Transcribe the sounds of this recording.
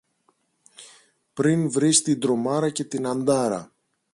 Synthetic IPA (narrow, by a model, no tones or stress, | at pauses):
pɾinvɾist̪ind̪ɾo̞mɐɾɐce̞t̪inɐnd̪ɐɾɐ̰